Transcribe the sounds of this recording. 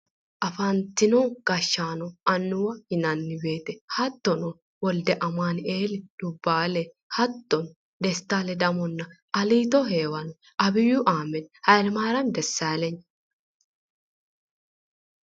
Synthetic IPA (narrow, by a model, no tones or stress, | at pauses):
ʔɐfɐnt̪ːɪnɔɡ̥ɐʃːaːnɔʔɐnːʊwɐhɪnɐnːɪbe̞ːt̪ɛhɐt̪ːɔnɔ | wɔld̪ɛʔɐmaːneːlɪd̪̥ʊbːaːlɛ | hɐt̪ːɔn | d̪ɛst̪ːaːlɛd̪ɐmɔnːɐ | ɐliːt̪ɔɦeːwɐnɔ | ɐbɪjʊʔaːmɛnhɐjlmaːɾɐnd̪ɛsːaːlɛɲ